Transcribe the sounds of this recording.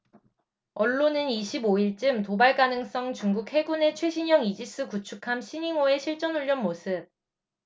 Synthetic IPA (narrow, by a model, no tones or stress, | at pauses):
ʌɭːonɯniɕʰiboiɭt͡ɕ͈ɯmtobaɭkanɯŋs͈ʌŋt͡ɕuŋɡuk̚he̞ɡune̞t͡ɕʰwe̞ɕʰiɲʌŋid͡ʑis͈ɯkut͡ɕʰukʰamɕʰiɲiŋoe̞ɕʰiɭt͡ɕ͈ʌnuʎːjʌnmosʰɯp̚